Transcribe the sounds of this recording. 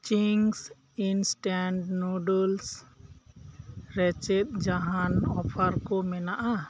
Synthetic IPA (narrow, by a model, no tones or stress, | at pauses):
t͡ʃiŋs | insʈaɳɖnuɖɔls | ɾɛt͡ʃɛt̪̚d͡ʒaɦanɔpʰaɾkɔmɛnaʔa